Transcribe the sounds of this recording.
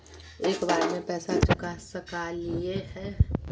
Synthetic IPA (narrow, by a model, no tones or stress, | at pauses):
eːkbaːɾemẽpɛːsat͡ʃʊkasəkaliehɛː